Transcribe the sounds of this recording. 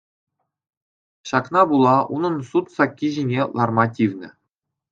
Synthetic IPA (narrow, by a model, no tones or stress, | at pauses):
ɕɑknɑbulˠɑṵnɤ̆nsut̪sɑkʲːiʑinʲelˠɑrmɑtʲiʋʲnʲɘ̆